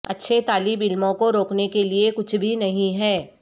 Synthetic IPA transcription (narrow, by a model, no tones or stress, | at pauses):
ɐtːʃʰet̪aːlibɪlmõkoɾoːknekeliekʊt͡ʃʰbʱinɐɦĩɦɛː